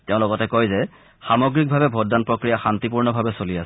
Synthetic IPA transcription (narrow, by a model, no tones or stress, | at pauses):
teʊ̃lɔɡɔtɛkojzɛ | xamɔɡɹik̚bʱabɛbʱoddanpɹokɹijaxantipuɹnɔbʱabɛsolias